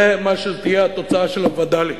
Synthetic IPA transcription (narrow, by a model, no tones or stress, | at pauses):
emaʃezt̪ijeat̪o̞t͡saaʃelavad̪ali